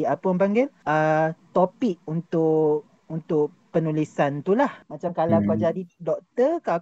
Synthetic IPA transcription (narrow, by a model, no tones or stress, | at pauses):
apəjampaŋɡɪlət̪opɪk̚unt̪ʊʔ | unt̪ʊʔ | pənulisant̪ulahmat͡ʃamkalakad͡ʒadidɔk̚t̪əka